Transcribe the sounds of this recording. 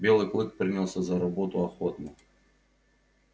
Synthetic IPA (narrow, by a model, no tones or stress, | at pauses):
bʲelˠɨklˠɨk̚pɾʲɨnʲalˠsʲəzɐɾabot̪ʊɐxot̪nʊ